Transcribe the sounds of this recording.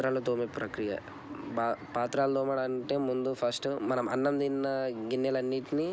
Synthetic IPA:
ɾaːlot̪oːmipɾɐkɾijɐ̰ | bapaːt̪ɾaːld̪oːmɐɽɐɐɳʈeːmund̪upʰɐɾsʈmɐnɐmɐ̰nːɐmd̪inːɐɡinːelɐnːiʈini

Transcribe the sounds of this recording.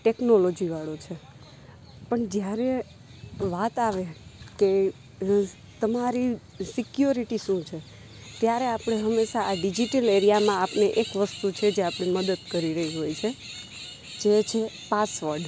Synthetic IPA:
ʈeknolod͡ʒiʋaɭot͡ʃʰe | pəɳd͡ʒjaɾe | ʋat̪aʋeke | t̪əmaɾi | sɪkjoɾiʈiʃũt͡ʃʰe | t̪jaɾeapɽ̃eɦəmːeʃaaɖid͡ʒiʈəleɾijamãapneʔekʋəst̪ut͡ʃʰed͡ʒeapɳiməd̪əd̪kəɾiɾəɦiɦojt͡ʃʰe | d͡ʒet͡ʃʰepasʋəɾɖ

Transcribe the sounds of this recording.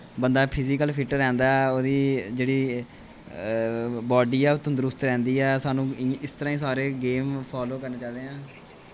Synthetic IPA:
bənd̪aːpʰɪziːkəlpʰɪʈəɾɛ̃ːnd̪aːɛoːd̪iːd͡ʒeːɽiː | bɔːɖiːɛːʊt̪ːõːd̪əɾʊst̪ɾɛ̃ːnd̪iːɛːsaːnũːɪst̪əɾãːiːs̬aːɾeːɡeːmpʰaːloːkəɾnaːt͡ʃaːd̪eːɦãː

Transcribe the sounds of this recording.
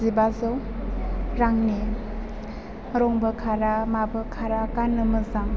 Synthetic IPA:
zibazɯw | ɾaŋne | ɾɔŋbəkʰaɾamabɯkʰaɾakanɯmɯzaŋ

